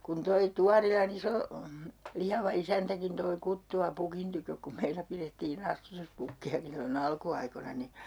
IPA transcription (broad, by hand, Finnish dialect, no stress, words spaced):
kun toi tuɑrilɑn iso lihɑʋɑ isæntækin toi kutːuɑ pukin tykøk kum meilæ piretːiːn ɑstutuspukːiɑki silːon ɑlkuɑikonɑ ni